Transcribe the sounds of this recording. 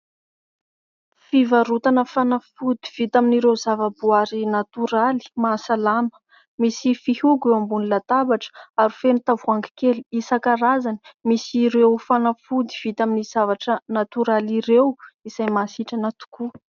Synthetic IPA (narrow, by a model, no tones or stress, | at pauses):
fivaɾut̪anəfanafud̪iv̥it̪aminiɾewzavəbuaɾinat̪uɾali̥maːsalamə̥ | misifihuɡewambunilat̪abaʈ͡ʂə̥aɾufenut̪avuaŋɡi̥keliisakaɾazani̥misiɾewfanafud̪iv̥it̪aminiz̥avaʈ͡ʂənat̪uɾaliɾewiz̥ajmasiʈ͡ʂanat̪u̥ku